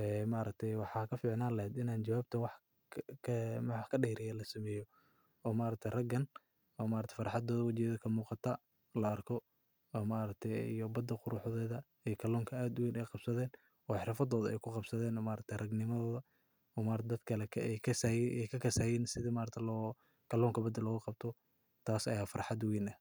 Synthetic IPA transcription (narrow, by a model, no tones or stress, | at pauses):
ɛmaːɾɐk̚t̪ʰɛjwɑħɑːkʰɐfiːʕnaːlɐhɛd̪ɪnaːnt͡ʃɐwaːbt̪ʰɐwɑħʰ | mwɑħkʰɐɖɛhɾɪjɛlɐsɐmɛːjɔ | ɔːmaːɾɐk̚t̪ʰɛjrɐɡɐn | ɔːmaːɾɐkt̪ʰɛ̥fɑɾɑħɑd̪ɔːðɐwɑt͡ʃɪjɐðɐkʰɐmuːqɑt̪ʰɐ | lɐːrkʰɔ | ɔːmaːɾɐk̚t̪ʰɛḭjɔbɐd̪ːɐqʊɾʊħðɛːðɐ | ɛjkʰɐlɔːŋkʰɐaːd̪ʊwiːnɛjqɑb̥sɐðɛːn | ɔːɑħɾɐfɐd̪ɔːðɐʔɛ̰jkʰʊqɑbsɐðɛːnɔːmaːɾɐk̚t̪ʰɛjrɐɡnɪmɐðɔːðɐ | ɔːmaːɾɐt̪ʰd̪ɐd̪kʰɐlɛkʰɐɛjkʰɐsjʔɛjkʰɐkʰɐsaːjɛːnsɪðɐmaːɾɐt̪ʰɛlɔː | kʰɐlɔːŋkʰɐbɐd̪ɐlɔːɣɐqɑb̚t̪ʰɔ | t̪ʰaːsɐjaːfɑrħɑd̪wiːnɐh